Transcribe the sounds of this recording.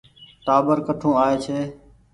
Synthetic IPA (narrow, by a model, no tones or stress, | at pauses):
ʈ̪aːbəɾkəʈʰũːaːeːt͡ʃʰeː